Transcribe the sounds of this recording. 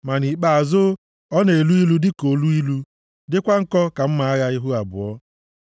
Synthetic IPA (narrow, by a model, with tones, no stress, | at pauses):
ma˨ni˨k͡pa˨a˨zʊ˦ | ɔ˦ne˨e˨lu˦i˦lu˦dɪ˦ko˨lu˦i˦lu˦ | dɪ˦kʷa˦ŋ̩˦kɔ˦ka˨m̩˦ma˨a˦ɣa˦ɪ˦ɦu˦a˨bʊ̰˨ɔ˦